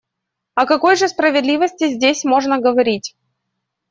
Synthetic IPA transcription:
ɐkɐko̞jʐɨspɾəvʲɪd̪lʲivəsʲtʲɪzʲdʲesʲmo̞ʐnəɡəvɐɾʲitʲ

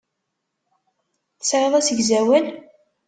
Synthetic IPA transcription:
θəsɾeðˤæsəɡzæwən

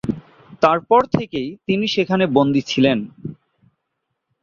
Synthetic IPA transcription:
t̪aɾpɔɾt̪ʰekejt̪iniʃekʰanebond̪it͡ɕʰilen

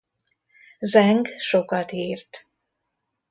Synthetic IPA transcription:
zɛŋɡʃokɒt̪iːrt̪

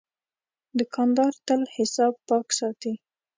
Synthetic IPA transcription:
d̪əkʰɑnd̪ɑɾt̪əlhɪsɑb̚pɑksɑt̪i

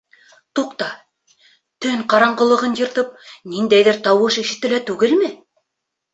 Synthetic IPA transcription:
t̪uqt̪ɑ | t̪ɵŋqɑɾɑɴɢɤ̆lˠɤ̆ʁɤnjɤ̆ɾt̪ɤp̚nind̪æjðɘɾt̪ɑwɤʃĭʃɘ̆t̪ːɘ̆læt̪ʉɡɘlmɘ

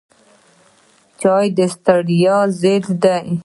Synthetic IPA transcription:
t͡ʃɑjd̪əst̪aɽijɑzed̪d̪aj

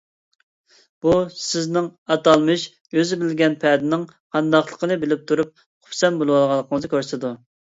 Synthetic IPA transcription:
b̥usɪznɪŋɑt̪ɑlˠmɨʃ | øzɪbɪlɡʲɛnpʰɛd̪ɪnɪŋ | qʰɑnd̪ɑχlˠəqʰənɨbɪlɪp̚t̪ʰuɾup̚ | qʰʊ̥psɛnbolˠwɑlˠʁɑlˠːəqʰəŋəzɨkʲøɾsɨd̪u

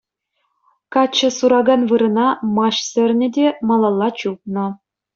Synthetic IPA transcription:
kɑt͡ɕːɤ̆suɾɑɡɑnvɯɾɤ̆nɑmɑɕsʲɘ̆rʲnʲɘ̆dʲemɑlˠɑlˠːɑt͡ɕuk̚nɤ̆

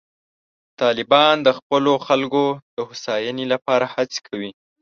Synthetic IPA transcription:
t̪ɑlɪbɑnd̪əxpəloxalkod̪̥əhʊsɑjənelapɑɾahat͡se̥kʰawi

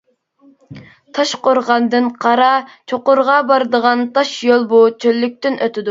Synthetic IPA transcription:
t̪ʰɑʃqoɾʁɑnd̪ɨnqʰɑɾɑt͡ʃʰoqʊɾʁɑbɑɾɨd̪əʁɑnt̪ʰɑʃjolˠbut͡ʃʰølːyk̚ʲt̪ɪnʔøt̪ʰɪd̪u

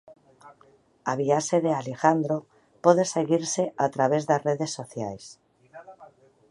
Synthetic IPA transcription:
aβ̞iaʃeðealexand̪ɾo | poðeseɣiɾseʔat̪ɾaβ̞ezðazreðesːoθja̰js

